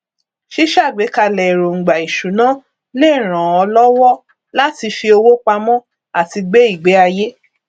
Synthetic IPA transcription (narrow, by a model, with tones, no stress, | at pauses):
ʃi˦ʃa˦˨ɡ͡be˨˦ka˧˨lɛ˨ɾo˨ŋ̩˨ɡ͡ba˨i˨ʃu˨˦nãː˨˦ | le˦˨ɾ̃ã˨ɔ˧lɔ˦wɔ˦ | la˦ti˧fi˧o˧wo˦k͡pa˧mɔ̃˦ | a˦˨ti˧ɡ͡be˦i˦˨ɡ͡be˨˦a˧je˦